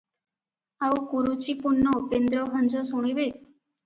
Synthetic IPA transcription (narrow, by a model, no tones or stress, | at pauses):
awkuɾut͡ʃipunːɔopend̪ɾɔɦɔnd͡ʒɔsuɽ̃ibe